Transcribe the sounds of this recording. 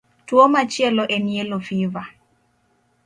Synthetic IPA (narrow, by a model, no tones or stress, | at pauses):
twomat͡ʃjɛlɔʔɛnielofiva